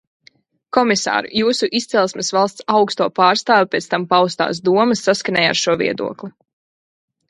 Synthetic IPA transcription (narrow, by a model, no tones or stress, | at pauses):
kɔmisa̰ːɾṵjuːsuʔist̪sɛlˠsmɛsvalˠst̪sawkst̪uɔpaːɾst̪aːvipʲɛt̪st̪ampawst̪a̰ːsd̪uɔmɐsːaskanʲɛ̰ːja̰ɾʃuɔvḭɛd̪ṵɔklˠi